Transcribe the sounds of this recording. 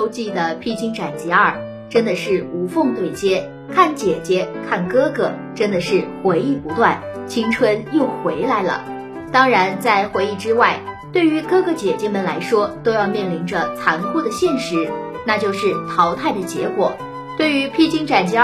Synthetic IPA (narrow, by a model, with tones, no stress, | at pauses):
o˥ʊt͡ɕi˥˩d̪ə˩pʰi˥t͡ɕi˥ŋʈ͡ʂa˨˩nt͡ɕɛ˧˥ɐ˞˥˩ | ʈ͡ʂə˥nd̪ə˨ʂɻ̩˥˩u˧˥fʊ˥˧ŋt̪we˥˩ɪt͡ɕjɛ˥ | kʰa˥˩nt͡ɕjɛ˨˩t͡ɕjɛ˥kʰa˥˩nkɤ˥ɡɤ̰˧˩ʈ͡ʂə˥nd̪ə˨ʂɻ̩˥˩xwe˧˥ɪi˥˩pu˧˥t̪wa˥˩n | t͡ɕʰi˥ŋʈ͡ʂʰwə˥njo˥˩ʊxwe˧˥ɪla˧˥ɪlə̰˧ | t̪ɑ˥ŋɻa˧˥nt͡sa˥˩ɪxwe˧˥ɪi˥˩ʈ͡ʂɻ̩˥wa˥˩ɪt̪we˥˩ɪy˧˥kɤ˥ɡɤ˧˥t͡ɕjɛ˨˩t͡ɕjɛ˥mə˨nla˧˥ɪʂwɔ˥t̪o˥ʊjɑ˥˧ʊmjɛ˥˩nli˧˥nʈ͡ʂə˧t͡sʰa˧˥nkʰu˥˩d̪ə˩ɕjɛ˥˩nʂɻ̩˧˥ | na˥˧t͡ɕjo˥˧ʊʂɻ̩˥˩t̪ʰɑ˧˥ʊt̪ʰa˥˩ɪd̪ə˩t͡ɕjɛ̰˧˥kwɔ˨˩˦ | t̪we˥˩ɪy˧˥pʰi˥t͡ɕi˥ŋʈ͡ʂa˨˩nt͡ɕɛ˧˥